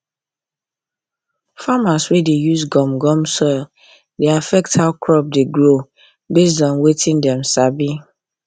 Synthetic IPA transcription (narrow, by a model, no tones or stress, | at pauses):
famaswedejuzɡɔ̃mɡɔ̃msɔl | deafɛk̚thaʊkʰɹɔp̚deɡɹo | bezdɔ̃nwetʰĩndɛ̃msabi